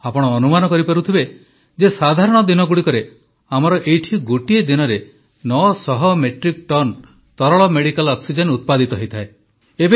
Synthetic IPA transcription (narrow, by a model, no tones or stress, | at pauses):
apɔɽ̃ɔːnumanɔkɔɾipaɾut̪ʰibe | d͡ʒesad̪ʱaɾɔɽ̃ɔd̪inɔɡuɽikɔɾe | amɔɾɔʔejʈʰiɡoʈied̪inɔɾe | nɔsɔɦɔmeʈɾik̚ʈɔn | t̪ɔɾɔɭɔmeɽikalɔksid͡ʒenut̪̚pad̪it̪ɔɦɔjt̪ʰae | ebe